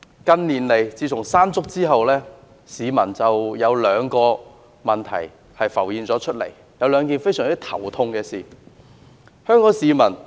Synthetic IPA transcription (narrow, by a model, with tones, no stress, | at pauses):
kɐ˧nliː˨˩nle˨˩jt͡siː˧tʰʊ˨˩ŋsaː˥nt͡sʊ˥k̚t͡siː˥ɦɐ˨wlɛː˥ | siː˨˧mɐ˨˩nt͡sɐ˨wjɐ˨˧wlœː˨˧ŋkɔː˧ | mɐ˨˩nt̪ʰɐ̰˨˩j | hɐ˨jfɐ˨˩wjiː˨nt͡sɔː˨˥t͡ʃʰɵ˥t̚lḛ˨˩j | jɐ˨˧wlœː˨˧ŋk̬iː˨nfe˥jsœː˨˩ŋt͡si˥t̪ʰɐ̰˨˩wt̪ʰʊ˧ŋkɛː˧siː˨˩ | hœː˥ŋkɔː˨˥ŋsiː˨˧mɐ˨˩n